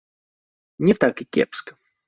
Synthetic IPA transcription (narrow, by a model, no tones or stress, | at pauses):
nʲɪt̪akɪkʲḛpskə̥